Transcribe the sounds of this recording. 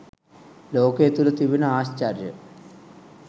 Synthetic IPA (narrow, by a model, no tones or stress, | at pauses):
loːkeːt̪ulɐt̪iʋinɐaːɕt͡ɕaːɾjɐ̰